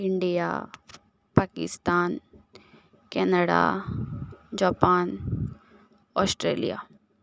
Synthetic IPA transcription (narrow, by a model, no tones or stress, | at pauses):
iɳɖija̰ | paːkḭst̪aːn | kɛnəɽa̰ | d͡ʒaːpaːn | ɔsʈɾḛːlḭja̰ː